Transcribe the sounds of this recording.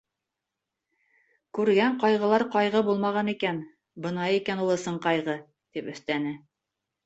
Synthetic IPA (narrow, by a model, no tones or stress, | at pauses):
kʉɾɡæɴqɑjʁɤ̆lˠɑɾqɑjʁɤbulˠmɑʁɑnikæn | bɤ̆nɑjikænulˠɤ̆sɤɴqɑjʁɤ | t̪ipɵ̆θt̪ænɘ